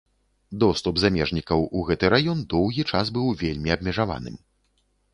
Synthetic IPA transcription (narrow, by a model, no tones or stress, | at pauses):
d̪ɔst̪ubzamʲɛʐnʲikɐwuɣɛt̪ɨɾajɔnd̪ɔwɣʲit͡ʂasbɨwvʲelʲmʲiɐb̚mʲɛʐava̰nɨ̰m